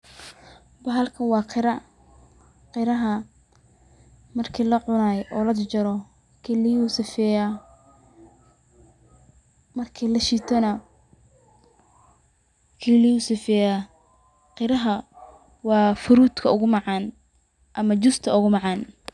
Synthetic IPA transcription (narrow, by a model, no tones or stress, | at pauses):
bɐɦɐlkʰɐnwɑːqʰɪɾɐ | qɪɾɐɦɐ | mɐrkʰiːlɐʕʊnaːjɛʔɔːlɐd̪t͡ʃɐɾɔ | kʰilijuːsɪfɛːja | mɐrkʰiːlɐʃiːt̪ʰɔnɐ | kʰilɪjuːsɪfɛːjaː | qɪɾɐɦɐ | wɑːfʊɾuːd̪kʰɐʊɣʊmɑʕɑːn | ʔɐmɐt͡ʃʊst̪ʰɐʊɣʊmɑʕɑːn